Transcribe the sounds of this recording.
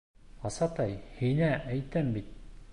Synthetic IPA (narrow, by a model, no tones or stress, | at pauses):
ɑsɑt̪ɑjhinæʔæjt̪æmbit̪̚